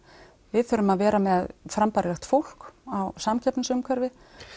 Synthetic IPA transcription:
vɪðθʏɾʏmaðvɛːɾamɛðfɾampaɾɣaxt̪fowl̥kawsamcʰɛpnasʏmkʰaɾvɪ

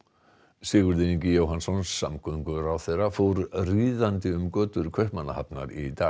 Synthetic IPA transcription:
sɪːɣʏɾðɪniɲcɪjoːwɦansɔnsːamkʰœŋkʏɾawθejrafowɾriːðant̪ɪʏmkœːt̪ʏɾ̥kʰœhpmana̰ha̰pna̰ɾit̪aː

